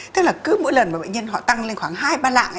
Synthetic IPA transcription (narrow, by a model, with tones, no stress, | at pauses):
t̪ɨ˦˥k̚laː˨˩kɨ˨˦mo̰˧˥jlə˨˩nmɓːɓə̰˧˨jɲə˧nɦɔ̰˧˨t̪a˧ŋle˧nxwaː˨˦ŋɦaː˧jɓaː˧la̰ː˧˨ŋʔ